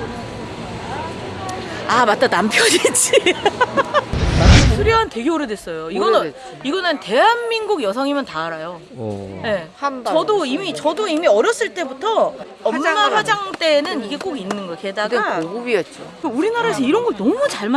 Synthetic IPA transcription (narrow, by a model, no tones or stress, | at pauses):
amat͈̚anampʰjʌd͡ʑit͡ɕ͈i | sʰuɾjʌɦante̞ɡjoɾɯdwes͈ʌjoiɡʌn | iɡʌnɯnte̞ɦanminɡuɡjʌsʰʌŋimjʌntaːɾajo | je̞t͡ɕʌdoimit͡ɕʌdoimiʌɾjʌs͈ɯɭt͈e̞butʰʌː | mːaɸwad͡ʑaŋt͈e̞ːnɯniɡe̞k͈oɡinːɯnɡʌkedaɡbit͡ɕ͈okeuɾinaɾaes̬ʰʌiɾʌnɡʌɭnʌmut͡ɕaɭma